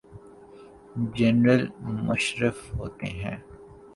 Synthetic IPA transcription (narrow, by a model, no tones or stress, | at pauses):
d͡ʒɛnɾəlmʊʃɾəfɦoːt̪ḛɦɛ̰̃ː